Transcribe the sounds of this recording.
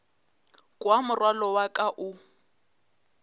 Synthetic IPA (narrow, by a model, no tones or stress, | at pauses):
kʼwamʊrwalɔwakʼaʔʊ